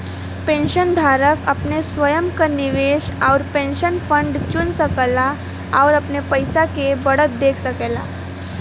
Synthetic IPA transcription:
pẽnɕənd̪ʱaɾəkapnesʋəjəmkəniʋeʃawɾpẽnɕənfəɳɖt͡ɕunsəkəla | awɾapnepəjsakebəɽət̪̚d̪ekʰsəkela̰

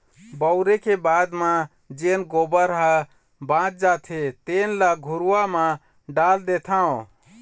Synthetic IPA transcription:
bəʊɾekebad̪mã | d͡ʒenɡobəɾɦa | bãt͡ʃd͡ʒat̪ʰet̪enlaɡʱuɾuamã | ɖald̪et̪ʰaõ

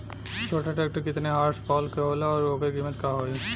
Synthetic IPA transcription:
t͡ʃʰoʈaʈaek̚ʈokɪt̪neɦaːɾspɔːlkɦolaɔːɾokeɡimet̪kaɦoj

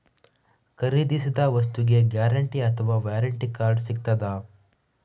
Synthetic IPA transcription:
kɐɾiːd̪isid̪ɐʋɐs̬t̪uɡe̞ɡjaːɾɐɳʈiɐt̪ʰɐʋaːʋjaːɾɐɳʈikaːɾɖsik̚t̪ɐd̪ɐ

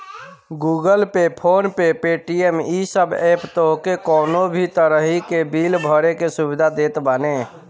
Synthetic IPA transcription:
ɡuɡəlpepʰoːnpepeʈiemisəbept̪oɦkekɔːnobʱit̪əɾəɦikebilbʱəɾekesubid̪ʱad̪eːt̪bəne

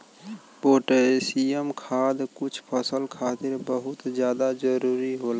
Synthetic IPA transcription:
boːʈəɾesiəmkʰaːd̪kʊt͡ʃʰpʰəsəlkʰaːt̪ɪɾbəɦʊt̪zjaːd̪ad͡ʒəɾuːɾiɦoːla

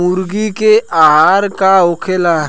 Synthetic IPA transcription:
ʊɾɡikeʔaɦaːɾkaoːkʰelaː

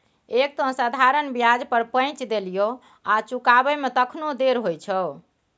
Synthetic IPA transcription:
ek̚t̪õsad̪ʱaɾənbjad͡ʒpəɾpə̃ɪ̃t͡ʃd̪elijo | at͡ʃukabɛmet̪əkʰnod̪eɾɦojt͡ʃʰə

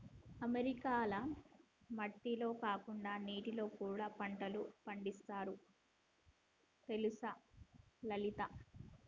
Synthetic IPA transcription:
ɐmeɾikaːlɐ | mɐʈːilo̞ːkaːkuɳɖaːniːʈilo̞ːkuːɽaːpɐɳʈɐlupɐɳɖist̪aːɾu | t̪e̞lusɐ | lɐlit̪ɐ

